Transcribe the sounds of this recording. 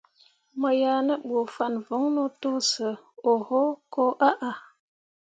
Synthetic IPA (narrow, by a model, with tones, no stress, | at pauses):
mə˨ja˨nə˦ɓo˨fa˦˨nvo˨˦ŋno˦to˦sə˨o˨ho˦ko˦ʔa˦ʔa˨